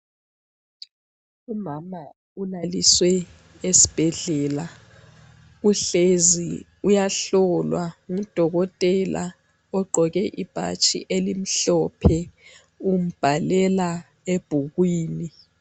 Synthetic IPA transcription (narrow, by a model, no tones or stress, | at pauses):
umama | unaliswɛ | esi̥b̥ʱɛɮɛla | uɬezḭ | ujaɬɔlwaŋumd̥ʱɔɣɔtʼɛla̰ | ɔɡ͡ǃʱɔɣɛʔib̥ʱa̰t͡ʃʼḭʔelim̩ɬɔpʰɛ | um̩b̥ʱalɛla | eb̥ʱuɣwiːni